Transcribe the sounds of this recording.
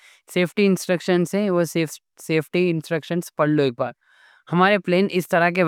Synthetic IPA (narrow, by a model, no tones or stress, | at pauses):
seːpʰʈiɪ̃nsʈɾəkʃənsɦɛ̃ʋos | seːpʰʈiɪ̃nsʈɾəkʃənspɐɽ̤loeːk̚baːɾ | hɐmaːɾepleːnʔɪst̪ɐɾak̬e